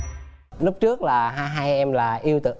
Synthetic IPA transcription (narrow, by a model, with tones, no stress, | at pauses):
lʊ˦˥p̚t͡ɕɨ˦˥ək̚laː˨˩ɦaː˧jɦaː˧jʔɛ˧mlaː˨˩ʔi˧əwt̪ɨ̰˧˨